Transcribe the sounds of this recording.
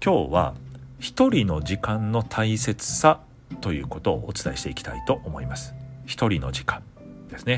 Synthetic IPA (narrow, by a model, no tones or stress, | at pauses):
kʲo̞ːβa̰çi̥t̪o̞ɾʲino̞ʑikãnːo̞t̪ʰaise̞t͡sɨ̥sa | t̪o̞jɯ̟̰ːko̞t̪o̞̰ːt͡sɨ̥t̪aiɕi̥t̪e̞ikʲi̥t̪a̰it̪o̞ʔomo̞imasɨ̥çi̥t̪o̞ɾʲino̞̰d͡ʑikãn | d̪̥e̞sɨne̞